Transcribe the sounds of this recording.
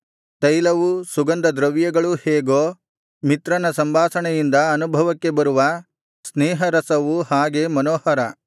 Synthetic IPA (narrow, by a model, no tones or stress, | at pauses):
t̪ɐjlɐʋusuɡɐnd̪ɐd̪ɾɐʋjɐɡɐɭuheːɡoː | mit̪ɾɐnɐsɐmbʱaːsɐɳɛjind̪ɐɐnubʱɐʋɐkːe̞bɐɾuʋɐ | sneːɦɐɾɐsɐʋuhaːɡe̞mɐnoːhɐɾɐ